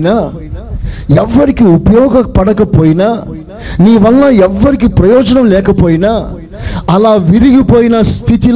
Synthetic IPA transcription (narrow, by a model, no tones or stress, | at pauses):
naː | ɛʋːɐɾɪkːɯʊpɐjoːɡɐpːɐɽɐkːɐpːoːjnaː | niːʋɐlːãːɛʋːɐɾɪk̬ːɯpɾɐjoːd͡ʒɐnɐmleːkːɐpːoːjnaː | ɐlãːʋɪɾɪɣɯpoːjnaːst̪ʰɪt̪ɪl